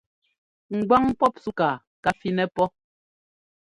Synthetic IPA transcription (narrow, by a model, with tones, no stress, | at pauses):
ŋ̩˨ɡwa˦ŋpɔ˦p̚su˦ka˨ | ka˨fi˦nɛ˦pɔ˦